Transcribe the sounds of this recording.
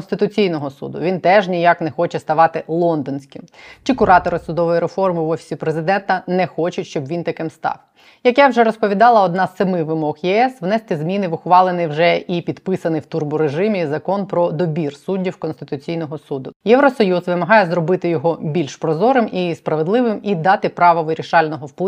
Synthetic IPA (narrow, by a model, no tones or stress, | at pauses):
nst̪ɪt̪ʊt͡sʲijnɔɦɔsṵd̪ʊ̰ʋʲint̪ɛʒnʲijaknɛxɔt͡ʃɛst̪ɐʋɑt̪ɪlˠɔnd̪ɔnʲsʲkɪmt͡ʃikʊɾɑt̪ɔɾɪsʊd̪ɔʋɔjiɾefɔrmɪʋɔfʲi̥sʲipɾezɪd̪ɛnt̪ɐnɛxɔt͡ʃʊtʲʃt͡ʃɔbʋʲint̪ɐkɪmst̪ɑ̰w | jɐkjɛwʒɛɾɔspɔʋʲid̪ɑlˠɐɔd̪nɑz̥sɐmɪʋɪmɔɣjɛɛsʋnɛst̪ɪzmʲinɪʋʊxʋɑlˠenɪjwʒɛʔipʲid̪pɪsɐnɪjwt̪urbʊɾeʒɪmʲizɐkɔnpɾɔd̪ɔbʲirsudʲːiwkɔnst̪ɪ̥t̪ʊt͡sʲijnɔɦɔsud̪ʊjɛʋɾɔsɔjuzʋɪmɐɦɑjɛzrɔbɪt̪ɪjɔɦɔbʲilʲʃpɾɔzɔɾɪmispɾɐʋed̪lˠɪʋɪmid̪ɑt̪ɪpɾɑʋɔʋɪɾʲiʃɑlʲnɔɦɔwplˠ